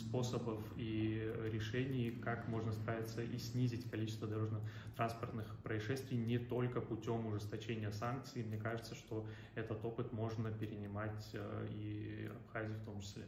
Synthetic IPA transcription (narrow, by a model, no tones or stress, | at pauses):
spo̞səbəfiɾʲɪʂɛnʲɪjkakmo̞ʐnəsp̪ɾavʲɪt̪səʔisʲnʲizʲɪtʲkɐlʲit͡ɕɪst̪vəd̪ɐɾo̞ʐnɨxt̪ɾanspərt̪nɨxpɾəɪʂɛst̪vʲɪjnʲɪt̪o̞lʲkəpʊtʲo̞mʊʐɨst̪ɐt͡ɕenʲɪjəsank̚t̪sɨjmnʲekaʐɨt̪səʂt̪o̞ | ɛt̪ət̪o̞pɨt̪mo̞ʐnəpʲɪɾʲɪnʲɪmatʲiɐ̰pxazʲɪjʊft̪o̞mt͡ɕɪ̥sʲlʲḛ